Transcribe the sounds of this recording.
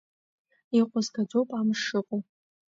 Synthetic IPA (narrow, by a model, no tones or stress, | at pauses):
iqʷʼʊzɡad͡zopʼamʂɨqʼo